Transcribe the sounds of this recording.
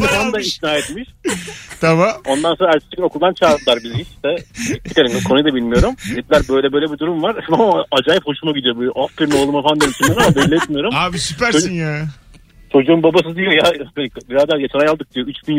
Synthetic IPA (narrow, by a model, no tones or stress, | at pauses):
fand̪aisnaːɛt̪miʃt̪ʰabao̞nd̪anso̞nɾaæɾt͡ʃʰi̥t͡ʃɡino̞kʰulˠd̪ant͡ʃʰaːd̪ˠaɾbiziiʃi̥ʃt̪ɛitt̪ʰi̥kelʲinimkʰonujd̪abilʲmijo̞ɾumɛt̪lʲæɾbøjlʲɛbø̞jlʲɛbid̪uɾumvaɾmamad͡ʒaːjipho̞ʃumaɟid̪ijobuʔafpiɾmo̞lˠumafand̪emit͡ʃʰimɾamabɛlʲːiɛt̪mijo̞ɾumaːbisypæɾsoinja | t͡ʃʰo̞d͡ʒuumbabasɯzd̪ijojabenbiɾazd̪aːjat͡ʃʰanajalˠd̪ɯk̚d̪ijoyt͡ʃbin